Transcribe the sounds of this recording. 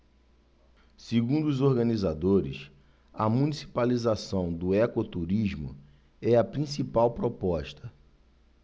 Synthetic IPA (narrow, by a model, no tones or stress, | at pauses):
seɡũnd̪ʊuzoɾɡɐnizad̪oɾɪ̰s | ɐmũnisi̥palizasɐ̃w̃d̪ʊekot̪uɾizmʊ̰ | ɛɐpɾĩsipawpɾopɔʃt̪ɐ